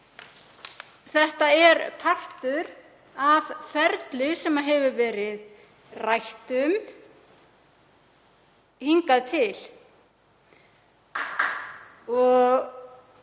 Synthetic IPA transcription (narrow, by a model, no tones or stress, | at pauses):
θɛht̪aɛɾpʰar̥t̪ʏɾ | avfɛɾt̪lɪsɛmaðɦɛvʏvɛːɾɪð | rajht̪ʏm | hiŋkaðt̪ʰɪl̥ | ɔɣ